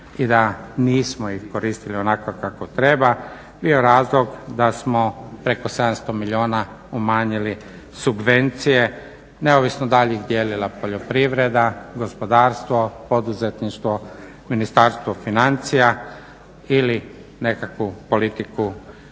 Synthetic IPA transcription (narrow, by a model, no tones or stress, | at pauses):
id̪aniːsmoixko̞ɾiːst̪ilionakokakot̪ɾe̞ba | bioɾaːzlˠo̞ɡd̪asmopɾe̞ko̞sed̪amst̪omiʎio̞ːna | umaːɲili | subʋe̞nt̪sije̞ | neoʋisnod̪aʎeiɣd̪jeːlilapoʎo̞pɾiʋɾe̞d̪aɡo̞spo̞d̪aːɾst̪ʋo̞po̞d̪uzet̪niʃt̪ʋo | minist̪aɾst̪ʋofinant̪sija | ili | ne̞kakʋupo̞lit̪iku